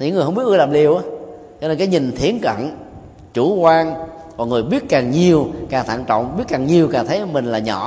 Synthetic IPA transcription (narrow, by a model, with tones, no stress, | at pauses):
ɨ̰˧˥ŋː˨˩hə˧ŋ͡mɓi˦˥ət̚ɗaː˨˩p̚li˨˩əwʔaː˨˦ | t͡ɕɔ˧ne˧nkaː˨˦jɲi˨˩n̟t̪ʰi˨˦ənkə̰˧˨n | t͡ɕu˧˩kwaː˧n | vɔː˨˩ŋɨ˨˩əjɓi˦˥ət̚kaː˨˩ŋɲi˨˩əwkaː˨˩ŋt̪ʰa̰ː˧˨ŋt͡ɕɔ̰˧˨wŋ͡mɓi˦˥ət̚kaː˨˩ŋɲi˨˩əwkaː˨˩t̪ʰə˨˦jmï˨˩ŋ̟laː˨˩ɲɔ̰˧˩˨